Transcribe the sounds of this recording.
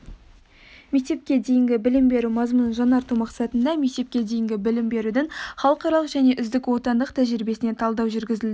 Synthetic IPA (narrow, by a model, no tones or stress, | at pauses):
me̞k̚t̪e̞p̚kʲe̞d̪e̞jɪŋɡʲɪbɪlɪmbe̞ɾumɑzmunʒɑnɑɾt̪umɑqsɑt̪ənd̪ɑme̞k̚t̪e̞p̚kʲe̞d̪ejɪŋɡʲɪbɪlɪmbe̞ɾud̪ɪɴχɑlˠəqɑɾɑlˠəqʒæne̞ʔʏzd̪ɪkwo̞t̪ɑnd̪əqt̪ʰæʒɪɾɪbe̞sɪne̞t̪ʰɑlˠd̪ɑwʒʏɾɡʲɪzɪld̪ɪ